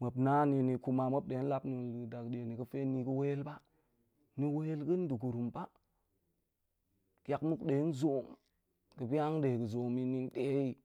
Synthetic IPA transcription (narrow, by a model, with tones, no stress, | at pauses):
mə˨bna˦ni˨ni˨ku˦ma˨mə˦b̚ɗe˨˦n˦la˦pni˨da˨kde˨ni˨kə˦fe˦ni˨kə˦we˦lba˦ | ni˦we˦lɡə˦n˦du˨ɡu˨ɾu˨mba˦ | ka˨kmu˦kɗe˨˦n˦zo˨m | kə˨bi˦a˦ŋde˨ɡə˨zo˨mi˦ni˦n˦ɗe˦i˦